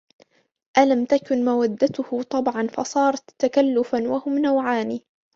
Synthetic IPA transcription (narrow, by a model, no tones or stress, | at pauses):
ʔalamt̪akʊnmawad̪ːat̪ʊhʊt̪ˤɑbʕɑnfɑsˤɑːɾˤɑt̪ːakalːʊfanwahʊmnawʕaːniː